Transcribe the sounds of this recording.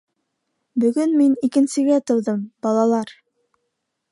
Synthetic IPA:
bɵ̆ɡɵnminikɘ̆nsɘ̆ɡæt̪ŏwðɤmb̥ɑlˠɑlˠɑɾ

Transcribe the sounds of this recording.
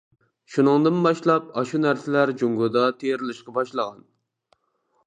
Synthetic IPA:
ʃunɨŋd̪ɨnbɑʃlˠɑp̚ɑʃunæɾsɪlæɾd͡ʒuŋɡʊd̪ɑt̪ʰeɾɪlɪʃqɑbɑʃlˠəʁɑn

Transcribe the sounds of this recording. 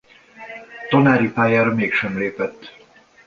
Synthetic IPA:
t̪ɒnaːɾipaːjaːɾɒmeːkʃɛmleːpɛt̪ː

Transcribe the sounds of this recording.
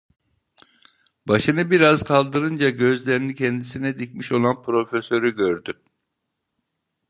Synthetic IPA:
b̥aʃɯnɯbiɾazkʰalˠd̪ɯɾɯnd͡ʒaɟø̞zlʲeɾinicʰɛnd̪isinɛd̪icmiʃo̞lˠanpʰɾo̞fesø̞ɾyɟøɾd̪y

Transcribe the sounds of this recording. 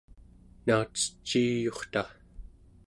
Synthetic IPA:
naːt͡sə̥t͡ʃːiːjo̞χt̪a

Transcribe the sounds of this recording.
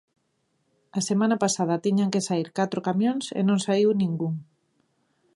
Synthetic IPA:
ɐsemanɐpasað̞ɐt̪iɲaŋkesaiɾkat̪ɾokamjõŋsḛnõŋsaiwnĩŋɡuŋ

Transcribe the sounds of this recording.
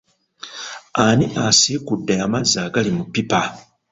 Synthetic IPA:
aniʔasiːkudːeamazːaɡalimupːipa

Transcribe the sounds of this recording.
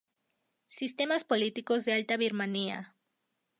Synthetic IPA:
sist̪e̞maspo̞lit̪iko̞zðe̞alt̪aβiɾmania̰

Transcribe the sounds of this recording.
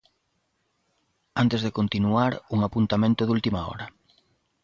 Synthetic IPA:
ant̪ezðɪkont̪inuaɾuŋapunt̪amẽnt̪ʊðult̪imaɔ̰ɾɐ

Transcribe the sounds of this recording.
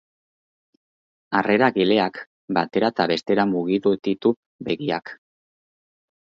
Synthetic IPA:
are̞ɾaɣile̞ak | bat̪e̞ɾat̪aβe̞st̪e̞ɾamuɣiðut̪it̪u | be̞ɣia̰k

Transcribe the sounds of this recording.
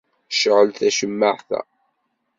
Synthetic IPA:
ʃəʕəlθæʃəmːəʕθæ̰

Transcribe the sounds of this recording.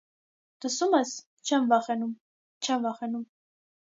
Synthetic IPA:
d̪̥əsumɛs | t͡ʃʰɛnvɑχɛnum | t͡ʃʰɛnvɑχɛnum

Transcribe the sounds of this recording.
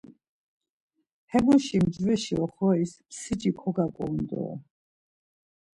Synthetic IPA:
hɛbuʃimd͡ʒvɛʃiɔχɔispʰsit͡ʃʼikʰɔɡakʼɔmd̪ɔ̰ː

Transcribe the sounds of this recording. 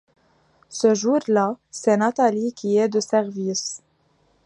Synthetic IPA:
səʒuɾlasɛnat̪alikʲiɛd̪əsɛʁvis

